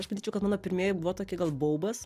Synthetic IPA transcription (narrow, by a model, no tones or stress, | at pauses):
ɐʃpɐd̪ʲiːt͡ʃɛʊkɐtmɑːnoːpʲɪɾʲmʲiɛjɛbʊʋoːt̪oːkʲɪɡɐlˠboʊbɐs